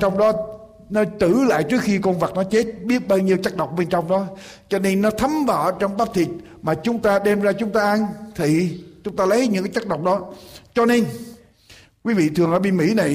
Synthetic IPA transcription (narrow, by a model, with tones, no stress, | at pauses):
t͡ɕɔ˧wŋ͡mɗɔ˨˦ | nɔ˨˦t̪ɨ˧˩la̰ː˧˨jt͡ɕɨ˦˥ək̚xi˧ko˧nva˨˩t̚nɔ˨˦t͡ɕe˦˥t̚ɓi˦˥ət̚ɓaː˧wɲi˧əwt͡ɕa˦˥k̚ɗə˨˩wk͡p̚ɓe˧nt͡ɕɔ˧wŋ͡mɗɔ˨˦t͡ɕɔ˧ne˧nːɔ˨˦t̪ʰə˨˦mva̰ː˧˩˨t͡ɕɔ˧wŋ͡mɓaː˦˥p̚t̪ʰi˨˩ət̚ | maː˨˩t͡ɕʊ˨˦ŋ͡mt̪aː˧ɗe˧mzaː˧t͡ɕʊ˨˦ŋ͡mt̪aː˧ʔa˧nt̪ʰi˨˩t͡ɕʊ˨˦ŋ͡mt̪aː˧lə˨˦jɲɨ̰˧˥ŋkaː˨˦t͡ɕa˦˥k̚ɗə˨˩wk͡p̚ɗɔ˨˦t͡ɕɔ˧ne˧n | kwi˨˦vḭ˧˨t̪ʰɨ˨˩əŋʔəː˧˩˦ɓi˧mḭ˧˥na˨˩j